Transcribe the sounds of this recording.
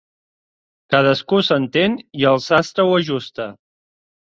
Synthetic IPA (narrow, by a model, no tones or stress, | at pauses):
kað̞əskusənt̪eniəlˠsast̪ɾəwəʒust̪ə